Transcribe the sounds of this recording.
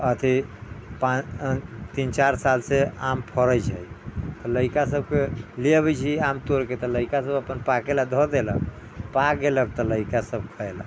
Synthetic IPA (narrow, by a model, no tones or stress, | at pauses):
ət̪ʰipa | t̪int͡ʃaɾsalsea̰mpʰəɾəjt͡ʃʰəjt̪ɔləikasəb̚keleβɛt͡ʃʰiamt̪oɾket̪ɔləikasəbəpənpakelad̪ʱɔd̪elə̰k̚ | paɡelək̚t̪ɔləikasəb̚kʰəela̰